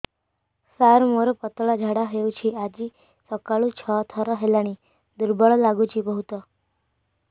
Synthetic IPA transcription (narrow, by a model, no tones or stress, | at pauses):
saɾmoɾpət̪ɭad͡ʒʱaɽaɦeut͡ɕʰiːad͡ʑiː | səkaɭũt͡ɕʰət̪ʰəɾəɦelañiː | d̪uɾbəɭlaɡut͡ɕiːbəɦut̪ə